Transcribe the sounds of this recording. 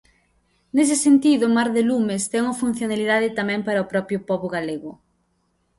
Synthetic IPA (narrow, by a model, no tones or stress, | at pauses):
nes̬ɪsent̪iðʊmaɾðelumest̪ɛŋuɐfun̟θjonaliðaðɪt̪amɛ̃ŋpaɾɐopɾɔpɾjʊpɔβʊɣaleɣʊ